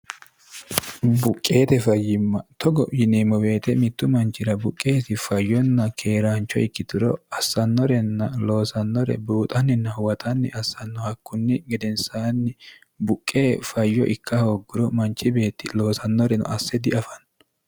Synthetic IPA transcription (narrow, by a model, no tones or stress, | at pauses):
bʊkʼːe̞ːt̪ɛfɐjːɪmːɐt̪ɔɡɔ̰jɪnemɔwe̞ːt̪ɛmɪt̪ːʊmɐnt͡ʃːɪɾɐbʊkʼːe̞ːsɪfɐjːɔnːɐkʰe̞ːɾaːnt͡ʃːɔ̰ɪkːɪt̪ɪɾɔ̰ɐsːɐnːɔɾɛnːɐlo̞ːsɐnːɔɾɛ̰buːt̪ʼɐnːɪnːɐhʊwɐt̪ʰɐnːɪ̰ʔɐsːɐnːɔhɐkːʊnːɪɡɛd̪ɛnsaːnːɪ | bʊkʼːe̞ːfɐjːɔ̰ʔɪkʰːɐhoɡːʊɾɔmɐnt͡ʃːɪbe̞ːt̪ːɪlo̞ːsɐnːɔɾɛnʊ̰ʔɐsːɛd̪ɪɐfɐnː